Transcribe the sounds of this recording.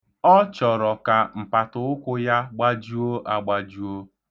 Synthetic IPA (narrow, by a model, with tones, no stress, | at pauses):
ɔ˦t͡ʃɔ˨ɾɔ˨ka˨m̩˨pa˨tʊ˨˦ʊ˦kʷʊ˦ja˦ɡ͡ba˦d͡ʒu˦o˦ʔa˦ɡ͡ba˨d͡ʒu˦o˦